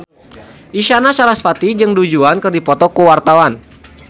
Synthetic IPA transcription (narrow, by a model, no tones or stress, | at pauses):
ʔiʃanasaɾasfat̪id͡ʒɨŋdud͡ʒuankərdipɔt̪ɔkuwart̪awan